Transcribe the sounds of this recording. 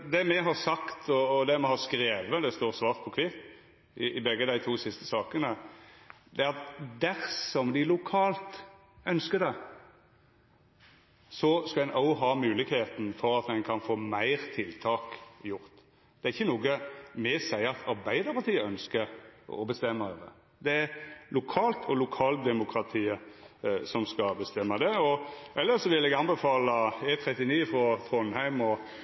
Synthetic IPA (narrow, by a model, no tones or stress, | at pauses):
d̪ɛmɛɦɑɾsɑkt̪ʰɔːd̪ɛmɛhɑskɾeːʋəd̪ɛst̪oːɾsʋɑːɾt̪̚pʰɔkʰʋɪt̪ː | ʔɪʔɪbɛɡːəd̪æɪt̪ʰuːsɪst̪ə̥sɑːkənə | d̪ɛæɾɑt̪d̪æɾsɔmd̪ɪlʊkʰɑːlt̪ | œnskəd̪ɛ | sɔskɑd̪ɛnʔɑʊɦɑːmʉːlɪɡheːt̪n̩fɔɾɑt̪d̪ɛnkʰɑnfoːmæɪɾt̪ʰɪlt̪ʰɑːkjʊɾt̪ | d̪̥ɛæɾɪçːənuːɡəmɛsæɪɑt̪ʰɑɾbæɪd̪əɾpʰɑɾt̪iːəœnskəɾɔ̰bəst̪ɛmːəd̪ɛ̰ | d̪ɛæɾlʊkʰɑːlt̪ʰɔlʊkʰɑːld̪ɛmʊkʰɾɑt̪ʰiːəsɔmskɑbəst̪ɛmːəd̪ɛɔʔɛlːəsɔʋɪlːɛɡɑnbɛfɑːləɛt̪ʰɾɛt̪ːɪniːfɔt̪ʰʁɔnhæɪmɔ